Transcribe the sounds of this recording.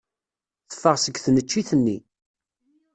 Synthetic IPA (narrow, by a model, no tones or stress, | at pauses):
θə̥fːəʁsəɡθnət͡ʃːiθənːi